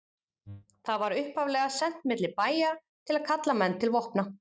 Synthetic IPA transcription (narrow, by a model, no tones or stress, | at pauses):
θaðvaɾʏhpavlɛɣasɛn̥t̪mɪt̪lɪpaːjat̪ʰɪlaðkʰat̪lamɛnːt̪ʰɪlvohpna